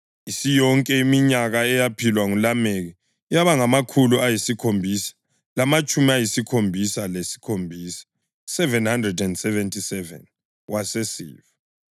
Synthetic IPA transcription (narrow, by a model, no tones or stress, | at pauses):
isijɔŋkʼɛimiɲaɣaɛjapʰilwaŋulameɣi | jaβaŋamakʰuluajisikʰombʱiːsḁ | lamat͡ʃʼumiajisikʰombʱisalesi̥kʰombʱiːsḁ | sɛvɛnhandrɛdɛndsɛvɛntʼisɛvɛ̰n | wasesḭːva